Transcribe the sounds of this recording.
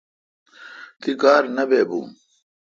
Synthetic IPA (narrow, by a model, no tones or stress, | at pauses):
t̪ikaːɾnɐbeːbṵ̃ː